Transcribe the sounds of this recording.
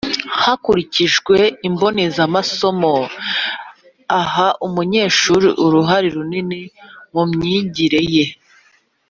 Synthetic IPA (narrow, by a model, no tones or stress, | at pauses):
hakuɾiciʒɡwe̞imbo̞nezamaso̞mo̞ | aɦaʔumuɲe̞ːʃuːɾḭʔuɾuɦaɾiɾuninimumɲiːɲɟiɾe̞je̞